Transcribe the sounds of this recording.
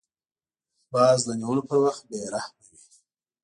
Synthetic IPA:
bɑːzd̪əniwəlopəɾwaxt̪̚beɾahmawi

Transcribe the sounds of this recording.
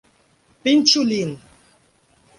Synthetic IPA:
pint͡ʃulin

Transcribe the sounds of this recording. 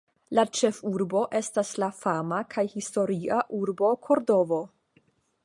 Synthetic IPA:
lat͡ʃe̞fuɾbo̞ʔe̞staslafamakʰajhisto̞ɾiaʔuɾbo̞kʰo̞ɾdo̞vo̞

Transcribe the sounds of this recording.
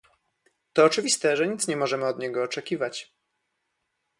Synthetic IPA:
t̪ɔːt͡ʂɘvʲist̪ɛʐɛɲit̪sɲɛmɔʐɛmɘɔd̪ɲɛɡɔːt͡ʂɛkʲivat͡ɕ

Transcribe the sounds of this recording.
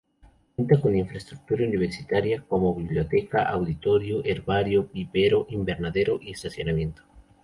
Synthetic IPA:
knt̪akoniɱfɾest̪ɾuk̚t̪uɾauniβ̞eɾsit̪aɾjakomoβiβljot̪ekaʔawðit̪oɾjoʔeɾβaɾjopipeɾoʔimbeɾnaðeɾoʔiest̪asjonamjẽnt̪o̥

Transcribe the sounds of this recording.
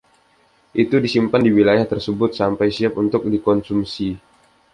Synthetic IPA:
ʔit̪udisimpandiwilajaht̪ərsəbʊt̪̚sampajsiap̚unt̪ʊk̚dikɔnsumsi

